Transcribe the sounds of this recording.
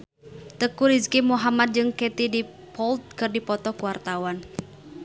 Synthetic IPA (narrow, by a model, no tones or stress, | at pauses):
t̪əkuɾizkimuɦamad̪̚d͡ʒɨŋkɛt̪idi | pɔlt̪̚kɨrdipɔt̪ɔkuwart̪awan